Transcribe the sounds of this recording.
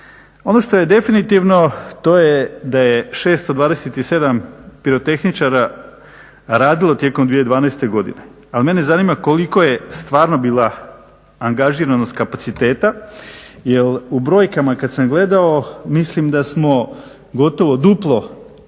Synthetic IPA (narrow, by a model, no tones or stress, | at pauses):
o̞noʃt̪o̞je̞d̪e̞finit̪iʋno̞t̪o̞jed̪ajeʃe̞ːst̪od̪ʋaːd̪eset̪ise̞d̪ampiɾot̪e̞xnit͡ʃaɾa | ɾaːd̪ilo̞t̪je̞komd̪ʋijeid̪ʋaːnaːst̪e̞ɡo̞d̪ḭne̞ | alime̞ne̞zaniːmako̞liko̞je̞st̪ʋaːɾno̞biːlˠa | aŋɡaʒiːɾanoskapat̪sit̪e̞ːt̪a | jelubɾo̞ːjkamakad̪samɡle̞d̪aomislimd̪asmo̞ | ɡo̞t̪o̞ʋo̞d̪uplˠo̞